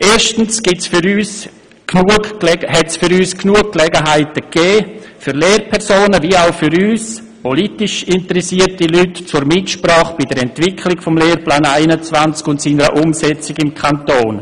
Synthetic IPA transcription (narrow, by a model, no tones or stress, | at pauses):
ʔeːɾʃtn̩sɡ̥ɪtsfʏɾyːs | knuəlɛhɛtsfʏɾyːsknuəkkːlɛɡəɦaɪtəkɛːfyɾleːrpʰɛɾsoːnəviaʊfʏɾyːs | pɔlitɪʃɪntəɾɛsiərtilytt͡sʊɾmɪtʃpraːχb̥idɛɾɛntv̥ɪkʰlɪɡfɔmleːɾplaːnaɪnət͡svant͡skʊntsiːnəɾə̰ʔʊmsɛt͡sɪɡɪmkʰantoːn